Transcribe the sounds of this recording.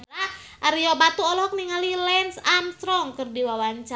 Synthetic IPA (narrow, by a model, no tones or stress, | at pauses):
a | ʔaɾiɔbat̪uɔlɔk̚niŋalilɛnsamst̪ɾɔŋkɨrdiwawaɲt͡ʃa